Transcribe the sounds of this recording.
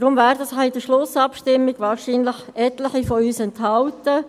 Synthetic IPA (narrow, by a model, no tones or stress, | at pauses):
ɾʊmvæːɾd̪əsad̥əʃlʊsɑpʃtɪmːiɡ̥ʋɑːɾʃiːnləχɛt̪ləχifɔyːsɛnt̪hɑltə